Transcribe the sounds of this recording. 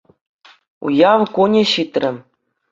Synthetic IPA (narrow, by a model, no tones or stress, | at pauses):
ṵjɑʋkunʲĕɕit̪rʲɘ̆